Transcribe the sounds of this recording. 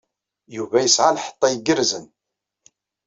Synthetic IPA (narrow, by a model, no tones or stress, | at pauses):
juvæjəsʕalħə̥t̪ˤːɑjəɡəɾzən